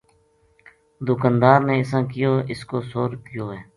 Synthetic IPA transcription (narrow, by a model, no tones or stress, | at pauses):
d̪ʊkãːnd̪aːɾneːɪsãːkɪjoːʔɪskoːsoːɾk̪ɪjoːɦɛː